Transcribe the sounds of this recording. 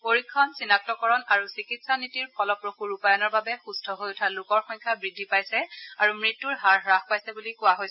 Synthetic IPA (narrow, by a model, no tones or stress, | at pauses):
poɹikʰːɔnsinak̚tɔkɔɹɔnaɹusikitsanitiɹpʰɔlɔpɹoxuɹupajɔnɔɹbabɛxustʰɔɦojʊtʰalʊkɔɹxɔɲkʰabɹidʱːipajsɛaɹumɹitːuɹɦaɹɹaxpajsɛbulikʊwaɦojs